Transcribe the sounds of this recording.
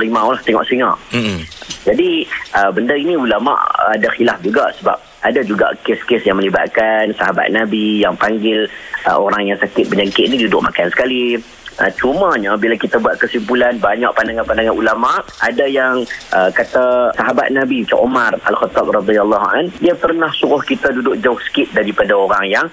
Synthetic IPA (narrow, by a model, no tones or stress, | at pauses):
limãolaht̪ɛŋɔ̰ʔsəŋa | d͡ʒadiʔəbəndainĩulama̰ʔadaxilafd͡ʒuɡaʔsəba̰p̚adad͡ʒuɡa̰keskɪsjaŋməliba̰t̪̚kansaɦaba̰t̪̚nabijaŋpaŋɡɪlə̰oɾaŋjaŋsakɪt̪̚bəɲd͡ʒaŋkɪʔ̪nĩdudʊʔma̰kansə̥kali | ə̰t͡ʃumaɲabilakit̪abuat̪̚kəsimpulanbaɲaʔ̚pandaŋãnpandaŋanulamaʔadajaŋʔəkat̪asaɦaba̰t̪̚nabit͡ʃa̰ʔumara̰lxət̪ːap̚rɑd̪ialːɔɦa̰ndiapərnahsuɾʊhkit̪adudʊk̚d͡ʒaksə̥kɪt̪̚daɾipadaoɾaŋjaŋ